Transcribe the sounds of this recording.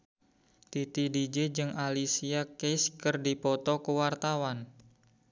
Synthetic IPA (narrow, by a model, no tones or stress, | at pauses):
t̪it̪idid͡ʒed͡ʒɨŋalisiakeskɨrdipɔt̪ɔkəwart̪awan